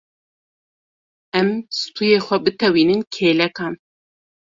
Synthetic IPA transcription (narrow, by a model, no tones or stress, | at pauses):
ɛmsɨ̥t̪ʰuːjeːxʷɛbɨt̪ɛwiːnɨnkʰeːlɛkɑːn